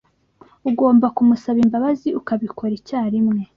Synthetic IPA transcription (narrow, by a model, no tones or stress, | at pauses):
uɡo̞ːmbakumusaβimbaβaziukaβikʰo̞ɾicaːɾimŋe̞